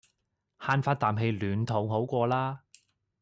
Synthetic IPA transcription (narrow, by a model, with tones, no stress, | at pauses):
haː˧nfaː˧t̚t̪aː˨mɦe˧jlyː˨˩nt̪ʰo˨˩ŋɦo˨˥wkʷɔː˧laː˥